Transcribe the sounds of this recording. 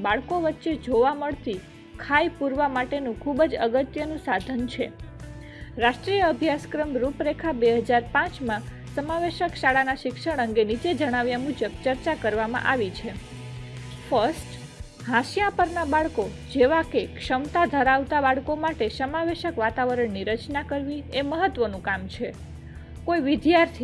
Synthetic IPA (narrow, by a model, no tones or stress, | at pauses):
baɭkoʋətːʃed͡ʒoʋaməɭt̪i | kʰajpuɾʋamaʈenũkʰubd͡ʒəɡət̪jənũsad̪ʱənt͡ʃʰe | ɾaʃʈɾijəəbʱjaskɾəmɾupɾekʰabeɦəd͡ʒaɾpãt͡ʃmã | səmaʋeʃəkʃaɭanaʃɪkʃəɽ̃əŋɡenit͡ʃed͡ʒəɽ̃aʋjamud͡ʒəb̚t͡ʃəɾt͡ʃakəɾʋamã̰ʔaʋit͡ʃʰe | fəɾsʈ | ɦãʃjãpəɾnabaɭko | d͡ʒeʋakekʃəmt̪ad̪ʱəɾaʋt̪abaɭkomaʈesəmaʋeʃəkʋat̪aʋəɾəɳniɾət͡ʃnakəɾʋieməɦət̪ʋənũkamt͡ʃʰe | koiʋɪd̪jaɾt̪ʰi